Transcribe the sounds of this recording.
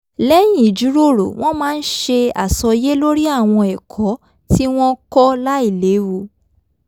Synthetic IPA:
lɛ˦j̃ĩ˦˨d͡ʒu˨˦ɾo˦˨ɾo̰˨w̃ɔ̃˦mãː˦˧n̩˦ʃe˧a̰˨sɔ˧je˦lo˦ɾi˦a˦˨w̃ɔ̃˧ɛ˨kʰɔ˨˦ | ti˦w̃ɔ̃˦kɔ˦la˦i˦˨le˨˦wo˧

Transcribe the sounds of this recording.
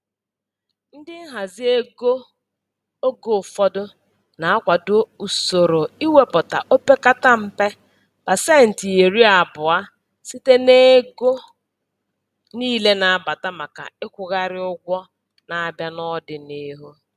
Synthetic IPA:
n̩˦dɪ˦ɦa˨zɪ˦e˦ɡo˦ | o˦ɡo˨fɔ˦dʊ˦ | na˨a˦kʷa˨dʊ˦u˨so˨ɾo˨i˦we˦pʊ˨ta̰˨ʔo˦pe˦ka˦ta˦m̩˦pe˦ | b̥a˨se˦n̩˨ti˨e˨ɾi˦a˨bʊ˨a˦ | si˦te˦ne˦ɡo˦ | niː˦le˦na˨a˦˨ba˨ta˦ma˨ka̰˨ɪ˦kʷʊ˨ɣa˦ɾɪ˦ʊ˦ɡʷɔ˦ | na˨˦˨bja˦nɔ˦dɪ˨ni˦ɦu˦

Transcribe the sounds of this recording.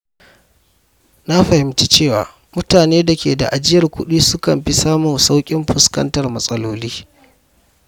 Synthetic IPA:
na˦ɸɐ˨hɪ˨mt͡ʃi˦t͡ʃeː˦˨wa̰ː˨ | mʊ˦taː˨neː˦da˨kʲeː˨da̰˨ʔa˨d͡ʒɪ˦jɐ˨rkʷʊ̰˦ɗiː˦sʊ˦kɐ˨mɸi˦saː˦mʊ˨sa˦wkʲʼɪ˦mɸʊ˨skɐ̰˦ntɐ˨rmɐ˦sʼɐ˦loː˦liː˦

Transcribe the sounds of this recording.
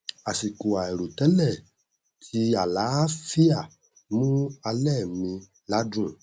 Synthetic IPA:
a˨si˨ko˨a˨ɛ˨ɾo˨tɛ˦lɛ˦˨ | tʰi˧a˨la˨˦fi˦a˦˨ | mũ˦a˧lɛ˦˨mĩ˧ | la˦dũ˦˨

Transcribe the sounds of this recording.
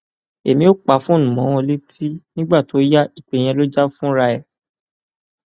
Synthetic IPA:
e˨mĩ˦o˦k͡pa˨˦fũ˦o˦˨ũ˨mɔ̃˨˦w̃ɔ̃˧le˦tʰi˦nĩ˦ɡ͡ba˦˨to˨˦ja˦i˦˨k͡pe˨j̃ɛ̃˧lo˦d͡ʒa˦fũ˦ɾa˧ɛ˨

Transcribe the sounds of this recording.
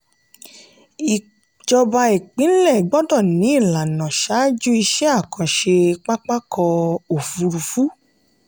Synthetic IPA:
i˨ | d͡ʒɔ˧ba˧i˨k͡pĩ˨˦n̩˦lɛ˦˨ɡ͡bɔ˦dɔ˦˨nĩ˨˦i˦˨la˨nã˨ʃa˨˦d͡ʒu˦i˧ʃɛ˦a˦˨kã˨ʃe˧k͡pa˦k͡pa˦kɔ˧o˨fu˧ɾu˨fu˨˦

